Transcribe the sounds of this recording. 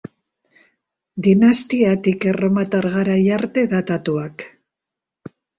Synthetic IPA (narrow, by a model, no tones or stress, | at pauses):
d̪inast̪iat̪ikeromat̪aɾɣaɾajaɾt̪e̞ðat̪at̪uak